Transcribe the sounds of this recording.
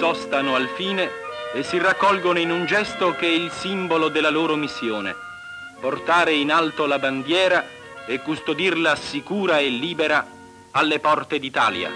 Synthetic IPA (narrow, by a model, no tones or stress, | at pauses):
sɔst̪anoalfiːneːsːirakːɔlɡonoinund͡ʒɛst̪okeɛilsimbolod̪elːaloːɾomisːjoːnḛ | port̪aːɾeinalt̪olaband̪jɛːɾa | ekːust̪od̪irlasikuːɾaelːiːbeɾaː | lːepɔrt̪ed̪it̪a̰ːlja̰